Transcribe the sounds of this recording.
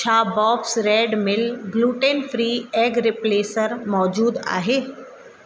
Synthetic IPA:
t͡ʃʰaːbɔːpsɾeːɖmɪlɡluːʈeːnfɾiːɛːɡɾɪpleːsəɾmɔːd͡ʑuːd̪a̰ːɦeː

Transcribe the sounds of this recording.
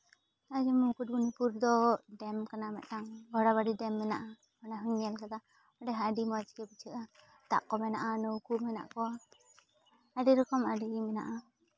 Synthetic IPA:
ad͡ʒɛmukut̪̚bunipuɾd̪ɔɖɛmkanamɛt̪̚naŋɡʱɔɽaβaɖidɛmːɛnaʔa | ɔnaɦɯŋɛlkad̪a | ɔɖɛɦaɖimɔd͡ʒkɛbət͡ʃʰɯʔa | t̪a̰ʔkɔmɛnaʔanɔwkumɛna̰ʔkɔa | aɖiɾɔkɔmaɖimɛnaʔa

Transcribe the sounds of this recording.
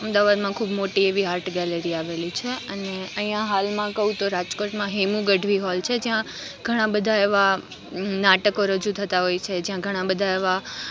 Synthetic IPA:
əmd̪aʋad̪mãkʰuːbmoʈieʋiɦaɾʈɡɛleɾiaʋelit͡ʃʰeəneəɦĩjãɦalmãkəɦũt̪oɾad͡ʒkoʈmãɦemũɡəɖʱʋiɦɔlt͡ʃʰed͡ʒjã | ɡ̥ʱəɽ̃ãbəd̪ʱaeʋa | naʈəkoɾəd͡ʒut̪ʰət̪aɦojt͡ʃʰed͡ʒjãɡʱəɽ̃ãbəd̪ʱaeʋa

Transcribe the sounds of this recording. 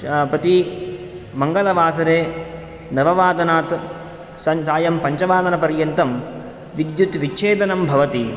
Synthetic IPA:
pɾɐt̪i | mɐŋɡɐlɐʋaːsɐɾeː | nɐʋɐʋaːd̪ɐnaːt̪ | sɐsaːjɐmpɐɲt͡ʃɐʋaːd̪ɐnɐpɐɾjɐnt̪ɐm | ʋid̪jut̪ʋit͡ʃːʃʰeːd̪ɐnɐmbʱɐʋɐt̪i

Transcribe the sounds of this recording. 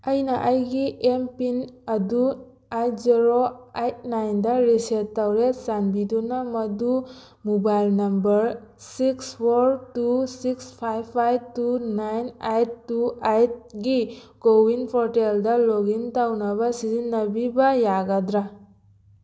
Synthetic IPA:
ajnaʔajɡiʔempinadu | ajtziɾoajt̚najndaɾisetːawɾesanbidunamʌdu | mobajlnɐmbəɾsikspʰoɾtusikspʰajbʰajb̚tunajnajtːuajt̚ɡi | kowinpʰɔɾteldaloɡintawnabasizinːabibajaɡadɾa

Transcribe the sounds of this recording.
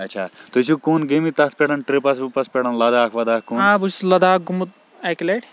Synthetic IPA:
ɐtːt͡ʃʃʰaːt̪ut͡ʃʰukuːnɡemit̪ɐt̪̚ʰpʲeɽɐnʈɾipɐsupɐspʲeɽɐnlɐd̪aːkʰʋɐd̪aːkuːnãbuslɐd̪aːɡumut̪̚ | ekleʈ

